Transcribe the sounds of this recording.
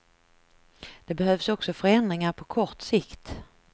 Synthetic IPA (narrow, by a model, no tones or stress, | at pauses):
d̪̥ɛbɛhœvsɔksɔfœɾɛnd̪ɾɪŋaɾpʰɔkʰɔʈsɪkt̪